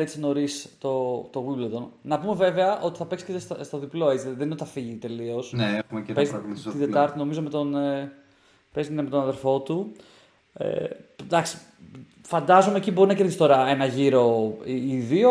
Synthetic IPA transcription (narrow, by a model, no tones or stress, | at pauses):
et̪sino̞ɾist̪o̞t̪oɣwibled̪onnɐpume̞ve̞veɐʔo̞t̪i̥θɐpe̞ksi̥cesst̪o̞ðiplo̞e̞t͡siðeninot̪ɐfiʝit̪e̞lio̞sneexumepezt̪id̪et̪ɐɾt̪ino̞mizo̞me̞t̪o̞ne | pezt̪nme̞t̪onɐðe̞ɾfo̞t̪u | ḛd̪ɐksi̥ | fɐnd̪ɐzomecibo̞ɾinɐkeɾðist̪o̞ɾɐe̞nɐʝiɾo̞iiðio